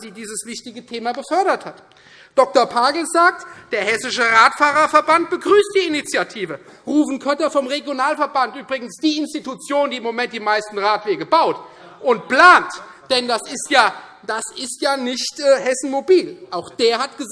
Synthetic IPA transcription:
ziːdiːzəsv̥ɪçtɪɡətʰeːmabəfœɐɾɐthat | d̥ɔk̚tɐɐpʰaːɡl̩zaːk̚td̥eːɐhɛsɪʃəʁaːtfaːʁɐfɛɐbant̚b̥əɡʁyːstd̥iːɪnit͡sjatʰiːvəʁuːvn̩kʰœtɐfɔmʁeɡjonaːlfɛɐbantʔyːbʁɪɡn̩sd̥iːɪnstitut͡sjoːndiːɪmːomɛntd̥iːmaɪstn̩ʁaːtv̥eːɡəbaʊt | ʔʊntpl̥aːnt | d̥ɛndasɪstjaː | d̥asɪstjaːnɪçtːhɛsn̩mobiːlʔaʊxd̥eːɐɦatɡ̥əz

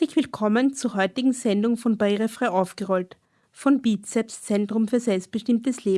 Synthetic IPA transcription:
lɪçv̥ɪlkʰɔmənt͡suːɐɦɔʏtɪɡŋ̩zɛndʊŋfɔnbaiːʁəfʁ̥aɪʔaʊfɡ̥əʁɔlt | fɔnbitsɛtst͡sɛntʁ̥ʊmfyːɐzɛlpst̚b̥əʃtɪmtəsleː

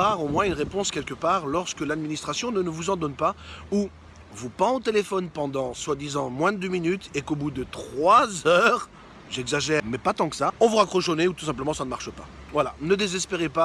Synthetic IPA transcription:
aʁomwɛ̃ynʁepɔ̃skʲɛlkəpaːʁlɔʁskəlad̪minist̪χasjɔ̃nənəvuzɑ̃d̪ɔnpau | vupɑ̃ot̪elefɔnpɑ̃d̪ɑ̃swad̪izɑ̃mwɛ̃d̪øminyt̪ekobud̪ət̪χwazœːʁ | ʒɛɡzaʒɛmɛpat̪ɑ̃kə̥saɔ̃vuʁakχɔʃoneut̪u̥s̬ɛ̃p̬ləmɑ̃sanəmaʁʃəpa̰ | vwalanəd̪ezɛspeʁepa

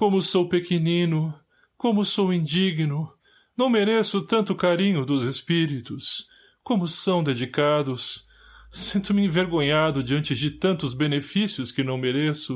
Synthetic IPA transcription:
kõmʊsowpekenĩnʊ | kõmʊsowĩd͡ʒiɡnʊ | nɐ̃w̃meɾesʊt̪ɐ̃nt̪ʊkaɾĩɲʊd̪ʊzespiɾit̪ʊs | kõmʊsɐ̃w̃d̪ed͡ʒikad̪ʊs | sĩnt̪ʊmɪĩveɾɡõɲad̪ʊd͡ʒiɐ̃nt͡ʃɪd͡ʒɪt̪ɐ̃nt̪ʊzbenefisiʊskɪnɐ̃w̃meɾesʊ

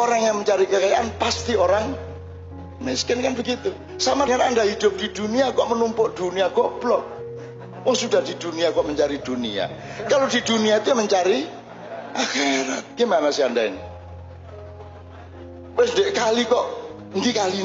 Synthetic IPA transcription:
ʔoɾaŋjaŋməɲt͡ʃaɾikəkajaʔanpast̪ioɾaŋ | mɪskɛnkanbəɡit̪u | samaŋanandahid̪ʊp̚d̥id̪̥uniakɔʔmənumpʊʔd̪̥uniaɡɔʔb̥lɔ | wɔŋsudahd̥id̪̥uniakɔʔməɲt͡ʃaɾid̪̥unia̰kalod̥id̪uniat̪ujaməɲt͡ʃaɾi | ʔaxeɾat̪̚ɡ̥imanasiandaɪ̰n | wʊsndeʔkalikɔʔ | nd̪ikali

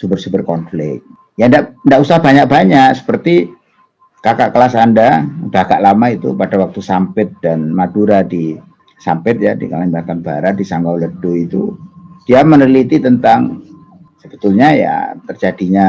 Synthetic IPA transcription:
subərsubərkɔnflɪ̰k̚ | jandaʔndaʔusahbaɲak̚b̥aɲaksə̥pərt̪i | kakaʔkəlasandabaɡaʔlamait̪ṵpadawak̚t̪usampɪt̪̚d̥anmaduɾadi | sampɪt̪̚jadikalaɲbat̪anba̰ɾat̪̚disaŋɡawləd̥oit̪ṵd̥iamənərlit̪it̪ənt̪aŋ | səbə̥t̪ulɲaja̰t̪ərd͡ʒadiɲa

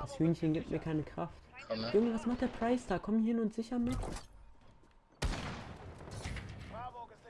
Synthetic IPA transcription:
d̥ashyːnçənɡiːp̚tmiːɐkʰaɪnəkʁ̥aftʔɪʊɡŋəv̥asmaχtd̥eːɐpʁ̥aɪsd̥aːkʰɔmhɪnʊntz̥ɪçɐmɪt

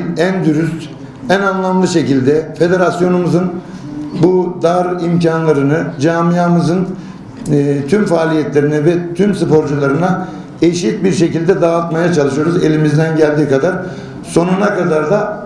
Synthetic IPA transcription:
nænd̪yɾyst̪ | ænanlˠamlˠɯʃe̞cilʲd̪ɛfe̞d̪e̞ɾasjo̞numɯzɯn | bud̪aɾimcʰanlˠaɾɯnɯd͡ʒaːmijamɯzɯn | t̪ʰymfaːlʲijɛt̪lʲe̞ɾinɛvɛt̪ʰymsɯpo̞ɾd͡ʒulˠaɾɯna | eʃit̪̚biɾʃe̞cilʲd̪ɛd̪aːt̪majat͡ʃʰalˠɯʃɯjo̞ɾuze̞lʲimizd̪ænɟælʲd̪iːkad̪aɾ | so̞nunakad̪aɾd̪a

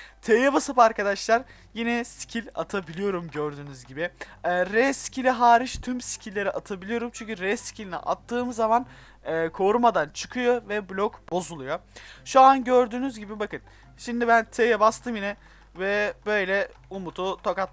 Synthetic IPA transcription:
t̪ʰejɛbasɯpaɾkad̪aʃlˠaɾ | jinɛsi̥cʰilʲa̰t̪ʰabilʲijo̞ɾumɟøɾd̪yːnyzɟibɪɾɛsi̥cʰilʲiɦaːɾiʃt̪ʰymsi̥cʰilʲːe̞ɾiʔat̪ʰabilʲijo̞ɾumt͡ʃʰyɲcyɾɛsi̥cʰilʲinḭʔa̰t̪ːɯːmɯzːamanː | kʰo̞ɾumad̪ant͡ʃʰɯ̥kʰɯjo̞vɛblʲɔkbo̞zulˠujoʃuanɟøɾd̪yːnyzɟibibakɯn | ʃimd̪ibænt̪ʰejɛbast̪ʰɯmjinɛ | vɛbø̞jlʲɛ | umut̪ʰut̪ʰokat̪

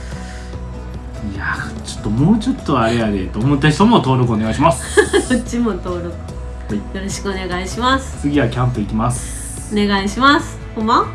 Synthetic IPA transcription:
ia | t͡ɕo̥t̪ːo̞mo̞ːt͡ɕo̞t̪ːo̞aɾeaɾeet̪oːmot̪ːad͡ʑi̥t̪omot̪o̞ːɾo̞kɯoneɡaiɕimasɨ̥kot͡ɕːimot̪o̞ːɾokɯ̟ | jo̞ɾo̞ɕi̥kɯ̟one̞ɡaiɕimasɨ̥t͡sɨɡʲiβakʲãmpɯ̟ikʲimasɨ̥ | one̞ɡaiɕimasɨ̥homa

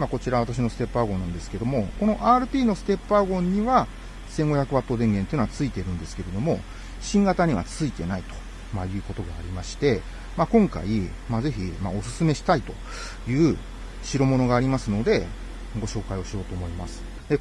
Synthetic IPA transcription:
mako̞t͡ɕiɾaβat̪aɕ̬ino̞sɨ̥t̪e̞pːaɡõ̞nːãnd̪e̞sɨ̥ke̞d̪o̞mo̞ko̞no̞ʔaːɾɯ̟t̪ʲiːno̞sɨ̥t̪e̞pːɯaɡõ̞ɲ̟ːiβa | sẽ̞ŋɡo̞çʲakɯ̟βat̪ːo̞d̪ẽ̞ŋɡe̞nt̪eiɯnat͡sɨit̪e̞ɾɯ̟̃nd̪e̞sɨ̥ke̞ɾe̞d̪o̞mo̞ | ɕĩŋɡat̪aɲ̟iβa̰t͡sɨit̪e̞nait̪o̥ | majɯ̟ːko̞t̪o̞ɡaːɾʲimaɕi̥t̪e̞ | makõ̞ŋka̰i | maze̞çimao̞sɨ̥sɨme̞ɕi̥t̪ait̪o̞ | jɯ̟ː | ɕiɾomo̞no̞ɡaːɾʲimasɨno̞d̪e̞ | ɡo̞ɕo̞ːkaio̞ɕio̞ːt̪oːmo̞imasɨ̥ | d̪e̞

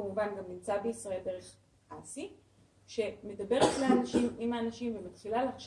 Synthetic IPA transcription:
amuvanɡamnimt͡sabeisʁae̞lde̞ʁe̞χ | ʔasi | ʃeme̞dabe̞ʁetleanaʃimimaːnaʃimvemat̪χilaleaχʃ

